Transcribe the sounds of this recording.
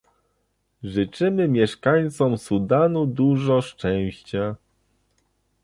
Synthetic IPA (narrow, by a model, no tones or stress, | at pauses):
ʐɘt͡ʂɘmɘmʲjɛʂkaɲt̪sɔmsud̪anud̪uʐɔʂt͡ʂɛ̃w̃ɕt͡ɕa